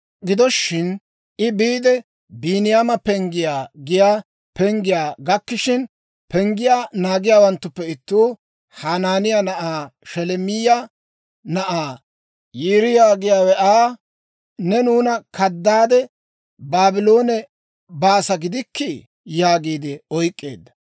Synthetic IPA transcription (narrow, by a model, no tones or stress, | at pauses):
ɡɪd̪ɔʃːɪn | ʔɪbiːd̪ɛ | biːnɪjaːmɐpɛŋɡɪjaːɡɪjaː | pɛŋɡɪjaːɡɐkːɪʃɪn | pɛŋɡɪjaːnaːɡɪjaːwɐnt̪ːʊpːɛɪt̪ːuː | haːnaːnɪjaːnɐʔaːʃɛlɛmɪjɐ | nɐʔaː | jiːɾɪjaːɡɪjaːwɛʔaː | nɛnuːnɐkʰɐd̪ːaːd̪ɛ | baːbɪlo̞ːnɛ | baːsɐɡɪd̪ɪkːɪ | jaːɡiːd̪ɪɔjkʼːḛːd̪ːɐ̥